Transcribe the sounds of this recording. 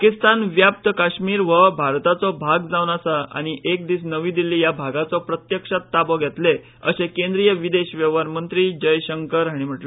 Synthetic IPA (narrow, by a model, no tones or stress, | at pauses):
pakist̪anʋjap̚t̪əkaɕmiːɾʋəbʱaɾt̪at͡sɔbʱaɡd͡zaʋnasaa̰ñiʔek̚d̪iːs̬nəʋiːd̪ilijabʱaɡat͡sɔpɾət̪jəkʂat̪ːabɔɡʱɛt̪le | ə̰ɕekẽnd̪ɾijəʋid̪eɕʋjəʋaɾmənt̪ɾiːd͡ʑəjɕəŋkəɾɦaɽ̃im̤əʈlə